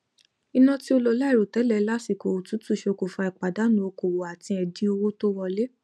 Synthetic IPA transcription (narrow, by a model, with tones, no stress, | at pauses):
i˧nã˧ti˦o˧lo˧la˦i˦˨ɾo˨tɛ˨˦lɛ˦la˦si˨ko˨o˨tu˨˦tu˦˨ʃe˧ko˨fa˧i˨k͡pa˨da˨˦nũ˦o˧ko˨wo˨a˨tĩ˧ɛ˧di˧˦o˧wo˦to˦wɔ˧le˦